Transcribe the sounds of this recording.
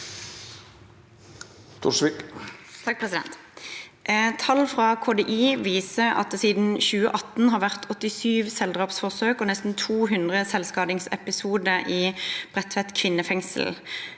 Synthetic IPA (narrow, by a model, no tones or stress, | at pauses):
t̪ʰʊ̰ʂʋɪkt̪ʰɑkpʰʁsɪd̪ɛ̰nt̪ | t̪ʰɑlfʁɑːkʰoːd̪eːʔiːʋiːsəɑ̰t̪̚siːd̪n̩çʉːə̰ʔɑt̪n̩ɦɑːʁʋæʁt̪ʰɔt̪ɪsyːʋsɛld̪ʁɑːpsfɔʁsøːkoːnɛst̪n̩t̪ʰuːɦʉnd̪ʁəsɛlskɑːd̪ɪŋsɛ̰pɪsuːd̪əʔiːb̥ʁɛt̪ʋɛt̪kʰʋɪnːəfɛŋsl̩